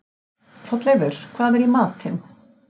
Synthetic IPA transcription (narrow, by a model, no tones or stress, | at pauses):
r̥ɔt̪lɛɣðʏɾ̥kʰv̥aːðɛɾimaːt̪ʰɪn